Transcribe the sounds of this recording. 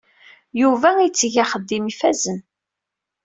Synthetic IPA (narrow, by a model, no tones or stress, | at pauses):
juvæit͡sːʝaχəd̪ːimifæzən